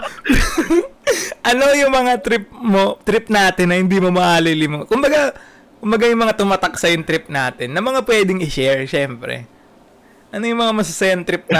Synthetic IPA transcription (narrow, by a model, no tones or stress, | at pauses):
ʔɐno̞jʊŋmɐŋat̪ɾɪp̚mo̞t̪ɾɪp̚naːt̪ɪnːɐhɪnd̪imomɐʔaːlɐjlimokʊmbɐɡa | kʊmbɐɡajʊŋmɐŋat̪ʊmaːt̪ɐk̚sɐjʊŋt̪ɾɪp̚naːt̪ɪnːɐmɐŋapwɛːd̪ɪŋɪʃɛɹʃɛmpɾɛ̰ | ʔɐno̞jʊŋmɐŋamɐsɐsɐjɐnt̪ɾɪp̚nɐ